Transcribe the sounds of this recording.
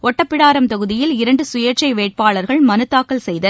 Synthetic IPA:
ʔɔʈːɐpːɪɽaːɾɐmt̪ɐɣɯðɪjɪlɪɾɐɳɖɯsʊjɐɾt͡ʃɐɪʋeːʈ̚paːɭɐɾɣɐɭmɐnɯt̪ːaːkːɐlsɛjðɐ

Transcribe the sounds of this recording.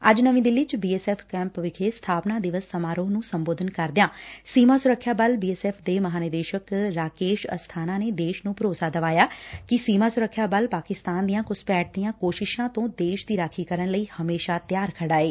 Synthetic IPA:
əd͡ʒnəʋĩːd̪ɪlːiːt͡ʃbiːɛːsɛːpʰkɛ̃ːmpʋɪkʰeːst̪ʰaːpnaːd̪ɪʋəsːəmaːɾoːnũːsəmboːd̪ʱənkəɾd̪ɪjãːsiːmaːsʊɾəkʰːjaːbəlbiːɛːsɛːpʰd̪eːməɦaːnəd̪eːʃəkɾaːkeːʃə̰st̪ʰaːnãːneːd̪eːʃnũːpɾoːsaːd̪əʋaːjaːkɪsiːmaːsʊɾəkʰːjaːbəlpaːkɪst̪aːnd̪ijãːkʊspɛːʈ̚d̪ijãːkoːʃɪʃãːt̪õːd̪eːʃd̪iːɾaːkʰiːkəɾənləiːhəmeːʃaːt̪ɪjaːɾkʰəɽaːeː

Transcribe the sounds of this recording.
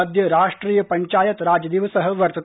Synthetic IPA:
ɐd̪ʱjɐɾaːʂʈɾiːjɐpɐɲt͡ʃaːjɐt̪ɾaːd͡ʒɐd̪iʋɐsɐɦɐʋɐɾt̪ɐ

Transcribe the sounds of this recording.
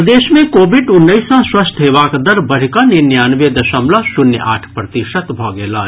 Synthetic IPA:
d̪eːʃmẽkoːbiɖʊnːəɪsãswɐst̪ʰɦeːʋaːkd̪ɐɾbəɽ̤ikaninjaːnʋed̪əʃəmlasʊnj̰ʔa̰ːʈʰpɾət̪iʃət̪bʱɔɡeːlaː

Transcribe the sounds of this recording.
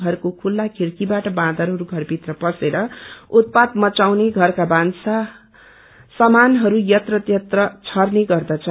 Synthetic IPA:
ʌrkokʰulːakʰeɾkibaʈʌbãd̪ʱʌɾɦʌɾuɡʱʌrbʱit̪rʌpʌseɾʌut̪̚pad̪mʌt͡sawneɡʱʌrkabansa | sʌmanɦʌɾujʌt̪rʌt̪jʌt̪rʌt͡sʰʌrneɡʌrd̪at͡sʰʌ

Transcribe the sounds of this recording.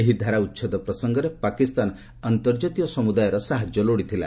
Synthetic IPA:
eɦid̪ʱaɾaut̪ːʃʰɔd̪ɔpɾɔsɔŋɡɔɾepakist̪an | ant̪ɔɾd͡ʒɔt̪ijɔsɔmud̪ajɔɾɔsaɦad͡ʒjɔloɽit̪ʰila̰

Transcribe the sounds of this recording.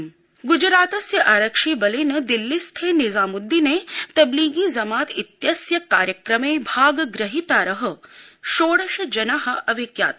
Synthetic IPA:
ɡud͡ʒɾaːt̪ɐsjɐʔaːɾɐkʂiːbɐlinɐd̪ilːist̪ʰeːnizaːmud̪ːineːt̪ɐbliːɡiːzɐmaːt̪it̪jɐsjɐkaːɾjɐkɾɐmeːbʱaːɡɐɡɾɐɦit̪aːɾɐɦɐ̆ʃoːɽɐʃɐd͡ʒɐnaɦɐɐʋekja̰ːt̪

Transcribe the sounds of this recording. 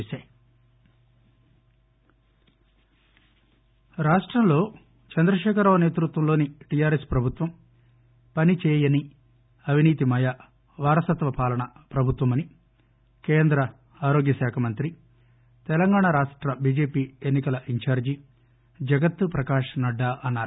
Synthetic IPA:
saː | ɾaːʂʈɾɐmlo̞ː | t͡ʃɐnd̪ɾɐʃɛːkʰɐɾɐʋɐne̞ːt̪ɾut̪ʋɐmlo̞ːniʈijaːɾespɾɐbʱut̪ʋɐm | pɐnit͡ʃɛːjɐni | ɐʋ̤iniːt̪imɐja | ʋaːɾɐsɐt̪ʋɐpaːlɐɳɐpɾɐbʱut̪ʋɐmɐni | keːnd̪ɾɐ | aːɾo̞ːɡjɐsaːkʰɐmɐnt̪ɾi | t̪ɛlɐŋɡaːɳaɾaːʂʈɾɐbiːd͡ʒe̞ːpiːenːikɐlɐʔiɲt͡ʃaːɾd͡ʒi | d͡ʒɐɡɐt̪ːpɾɐkaːʂnɐɖːaːʔɐnːaːɾuu

